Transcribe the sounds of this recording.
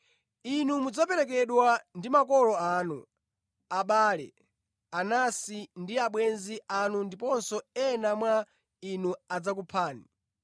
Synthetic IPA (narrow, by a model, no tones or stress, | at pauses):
inumud͡zapɛɾɛkɛɗwandimakɔlɔaːnu | aɓaːlɛ̰ | anasindiaɓwɛnziʔanundipɔnsɔɛnamwa | inuad͡zak̬upʰaːni